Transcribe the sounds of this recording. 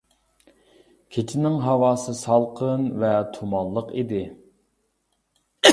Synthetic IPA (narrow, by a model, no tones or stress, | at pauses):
kʲʰet͡ʃʰinɪŋɦɑwɑːsɨsɑlˠqʰənvɛt̪ʰumɑlˠːəqid̪ɪ